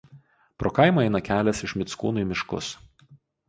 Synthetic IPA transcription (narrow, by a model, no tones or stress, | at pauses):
pɾoːkɐɪmoːɛɪnɐkʲæːlʲɛsɪʃmʲɪt̪skṵːnuːiˑmʲɪʃkʊ̰s